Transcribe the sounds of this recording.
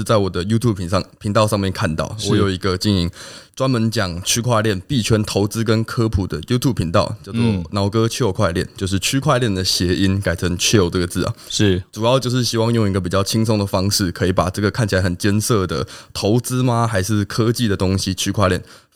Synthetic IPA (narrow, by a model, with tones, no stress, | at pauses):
t͡sa˥˩ɪwɔ˨˩d̪ə˦ju˥t̪ʰju˥bŋpʰi˧˥ŋt̪ɑ˥˧ʊʂɑ˥˧ŋmjɛ˥˨nkʰa˥˧nt̪ɑ̰˥˩ʊʂwɻɔ˥˧˥jo˨˩ʊi˧˥ɡə˧t͡ɕi˥˩ni˧˥ŋt͡swa˥nmə˧˦nt͡ɕjɑ˨˩ŋt͡ɕʰy˥kʰwa˥˧ljɛ˥˩npi˥˩t͡ɕʰɛ˥nt̪ʰo˧˥ʊt͡sɹ̩˦˥k̬ə˦˥nkʰɤ˥pʰu˨˩d̪ə˦ju˥t̪ʰju˥˩b̚pʰi˧˥ŋt̪ɑ˥˨ʊt͡ɕjɑ˥˧ʊt͡swɔ˥˩nɑ˧˥ʊkɤ˦t͡ɕʰy˥˧o˥˧˩kʰwa˥˧ɪljɛ˥˩˨nt͡ɕjo˥˧ʊʂ̬ɻ̩˥˩t͡ɕʰy˥kʰwa˥˧ɪljɛ˥˩nd̪ə˩ɕjɛ˧˥ʔi˦˥nka˨˩ɪt͡sʰə˧˥ŋt͡ɕʰɛ˥˧o˨˩ʊʈ͡ʂə˥˩ɡə˩t͡sɹ̩˥˩ɐ̰˨˩ʂ̩˥˩ʈ͡ʂu˨˩jɑ˥˧ʊt͡ɕjo˥˧ʊʂ̬̩˥˩ɕi˥wɑ˥˧ŋjo˥˩ŋi˧˥ɡə˧p̬i˨˩t͡ɕjɑ˥˩ʊt͡ɕʰi˥ŋsʊ˥ŋd̪ə˨˩fɑ˥ŋʂɻ̩˥˩kʰɤ˧˦˥i˨˩pa˨˩ʈ͡ʂɤ˥˩ɡə˩kʰa˥˩nt͡ɕʰi˨la˧˦ɪxə˨˩nt͡ɕjɛ˥nsɤ˥˩d̪ə̰˩t̪ʰo˧˥ʊt͡sɹ̩˥ma˦xa˧˥ɪʂɻ̩˥˩kʰɤ˥t͡ɕi˥˩d̪ə˩t̪o˥ŋɕi˧˦t͡ɕʰy˥kʰwa˥˧ljɛ˥˩n